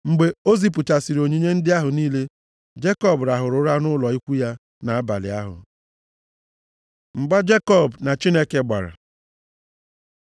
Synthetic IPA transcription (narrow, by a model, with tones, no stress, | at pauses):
ŋ͡m̩˨ɡ͡be˨o˦zi˨p̬ʊ˨t͡ʃa˨si˨ɾo˨ɲi˦ɲe˦n̩˦dɪ˦a˦ɦʊ˨niː˦le˦ | d͡ʒe˦kɔ˦˨bɾa˨ɦʊ˨ɾʊ˨˦ɾa˦nʊ˦lɔ˨i˦kʷu˦ja˦ | na˨a˦ba̰˨lɪ̰˨a˦ɦʊ̰˨ | ŋ͡m̩˨ɡ͡ba˦d͡ʒe˦kɔ˦˨bna˨t͡ʃi˦ne˦ke˦ɡ͡ba̰˨ɾa̰˨